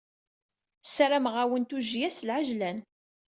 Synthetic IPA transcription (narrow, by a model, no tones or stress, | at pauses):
sɾamʁawənt̪uʒjæslʕaʒlæn